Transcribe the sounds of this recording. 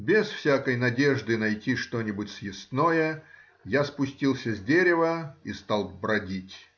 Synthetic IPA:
bʲɪsfsʲakəjnɐdʲe̞ʐd̪ɨnɐjtʲiʂt̪o̞nʲɪbʊtʲsjɪst̪nojə | jaspʊsʲtʲilˠsʲəzʲdʲeɾʲɪvəist̪ɑlˠbɾɐdʲitʲ

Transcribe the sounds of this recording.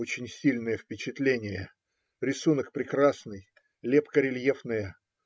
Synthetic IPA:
ot͡ɕɪnʲsʲilʲnəjəfpʲɪt͡ɕɪt̪lʲenʲɪjə | ɾʲɪsunək̚pɾʲɪkɾasnɨj | lʲepkəɾʲɪlʲjefnəjə

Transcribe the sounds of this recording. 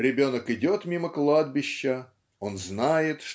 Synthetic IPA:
ɾʲɪbʲo̞nəkɪdʲo̞t̪mʲiməklˠad̪̚bʲɪɕːə | o̞nznajɪt̪ʂ

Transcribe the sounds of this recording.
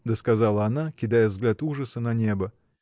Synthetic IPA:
d̪əskɐzɑlˠəɐnakʲɪd̪ajəvzɡlʲat̪uʐəsənɐnʲe̞bə

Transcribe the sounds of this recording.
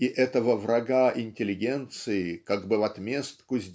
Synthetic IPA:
iʔɛt̪əvəvɾɐɡaʔɪnʲtʲɪlʲɪɡʲe̞nt̪sɨɪkaɡbɨvɐt̪mʲest̪kʊzʲdʲ

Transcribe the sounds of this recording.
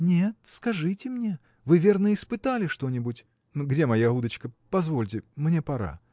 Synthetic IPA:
nʲet̪̚skɐʐɨtʲɪmnʲe̞ | vɨvʲe̞rnəɪspɨt̪alʲɪʂt̪o̞nʲɪbʊtʲ | nɡdʲe̞mɐjaɦud̪ət͡ɕkəpɐzvo̞lʲtʲɪmnʲepɐɾa̰

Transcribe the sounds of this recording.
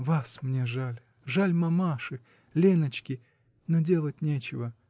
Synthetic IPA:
vasmnʲeʐalʲ | ʐalʲmɐmaʂɨ | lʲenət͡ɕkʲɪ | nodʲe̞lˠət̚ʲnʲet͡ɕɪvə

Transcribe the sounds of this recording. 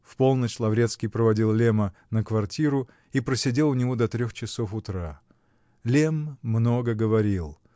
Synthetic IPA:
fpo̞lˠnət͡ɕlˠɐvɾʲet̪skʲɪijpɾəvɐdʲilˠlʲemənəkvɐrtʲiɾʊ | ipɾəsʲɪdʲe̞lˠʊnʲɪvod̪ɐt̪ɾʲoxt͡ɕɪsofʊt̪ɾa | lʲemːno̞ɡəɡəvɐɾʲilˠ

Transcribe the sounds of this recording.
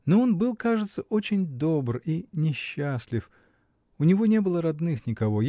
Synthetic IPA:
noo̞nbɨlˠkaʐɨt̪səʔo̞t͡ɕɪnʲd̪o̞brinʲɪɕːasʲlʲɪf | ʊnʲɪvo̞nʲe̞bɨlˠəɾɐd̪nɨxnʲɪkɐvo̞

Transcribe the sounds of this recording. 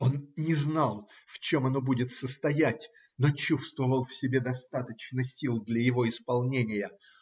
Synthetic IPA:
o̞nnʲɪznɑlˠ | ft͡ɕo̞mɐno̞budʲɪt̪səst̪ɐjætʲ | not͡ɕust̪vəvəlˠfsʲɪbʲe̞d̪ɐst̪at̪ət͡ɕnəsʲilˠd̪lʲəjɪvo̞ɪspɐlˠnʲenʲɪjə

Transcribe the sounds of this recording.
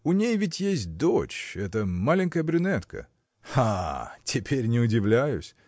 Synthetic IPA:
ʊnʲejvʲɪtʲjesʲt̚ʲd̪ot͡ɕɛt̪əmalʲɪnʲkəjəbɾʲʊnɛt̪kə̰ | atʲʰɪpʲʰeɾʲnʲɪʊdʲɪvlʲæjʊ̰sʲ

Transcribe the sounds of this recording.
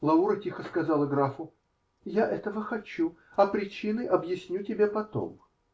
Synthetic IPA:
lˠɐuɾətʲixəskɐzalˠəɡɾafʊ | jaʔɛt̪əvəxɐt͡ɕu | ɐpɾʲɪt͡ɕinɨʔɐbjɪsʲnʲutʲɪbʲepɐt̪o̰m

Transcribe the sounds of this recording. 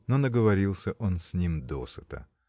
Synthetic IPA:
nonəɡəvɐɾʲilˠsʲəʔo̞nsʲnʲimd̪o̰sət̪ə̰

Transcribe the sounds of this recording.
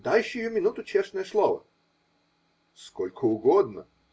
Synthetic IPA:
d̪ajɪɕʊjʊmʲɪnut̪ʊt͡ɕerʂnəjəslˠovə̰ | skolʲkʰəʊɡod̪̚nə̰

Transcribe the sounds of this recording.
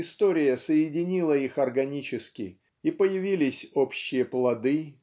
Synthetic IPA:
ɪst̪o̞ɾʲɪjəsəɪdʲɪnʲilˠəixɐrɡɐnʲit͡ɕɪskʲɪ̰ | ipəjɪvʲilʲɪsʲo̞pɕːɪjəplˠɐd̪ɨ

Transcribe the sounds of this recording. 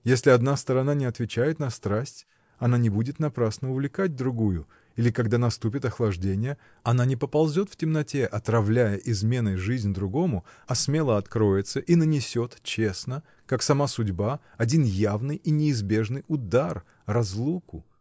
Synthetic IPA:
jesʲlʲɪɐd̪nast̪əɾɐnanʲɪɐt̪vʲɪt͡ɕæjɪt̪nɐst̪ɾasʲtʲ | ɐnanʲɪbudʲɪt̪nɐpɾasnəʊvlʲɪkad̚ʲd̪ɾʊɡujʊ | ilʲɪkɐɡd̪anɐst̪up̬ʲɪt̪ɐxlˠɐʐdʲenʲɪjə | ɐnanʲɪpəpɐlˠzʲo̞t̪ftʲɪmnɐtʲe̞ʔɐt̪ɾɐvlʲæjəʔɪzmʲe̞nɨjʐɨzʲnʲd̪ɾʊɡo̞mʊɐsmʲe̞lˠəɐt̪kɾo̞jɪt̪səʔinənʲɪsʲo̞t̪t͡ɕe̞snə | kaksɐmasʊdʲba | ɐdʲinjavnɨjinʲɪːzbʲe̞ʐnɨjʊd̪ar | rɐzlˠukʊ

